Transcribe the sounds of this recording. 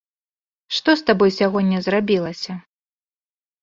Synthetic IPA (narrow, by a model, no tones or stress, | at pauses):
ʂt̪ɔst̪abɔjsʲaɣɔnʲːɐzrabʲilˠɐsʲɐ